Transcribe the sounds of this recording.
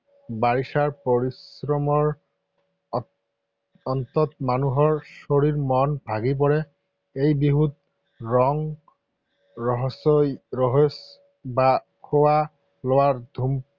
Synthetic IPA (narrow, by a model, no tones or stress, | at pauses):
baɹisaɹpoɹisɹɔmɔɹ | ɔnt̪ɔt̪manuɦɔɹsoɹiɹmɔnbʱaɡip̬ɔɹɛ | ejbiɦut̪̚ | ɹɔŋ | ɹɔɦɔsɔjɔɦɔs | ba | kʰowa | lowaɹd̪ʱum